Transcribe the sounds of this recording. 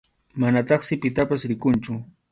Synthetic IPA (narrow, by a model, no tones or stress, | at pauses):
manat̪ɑχsɪpɪt̪apasɾɪkʊnt͡ʃʊ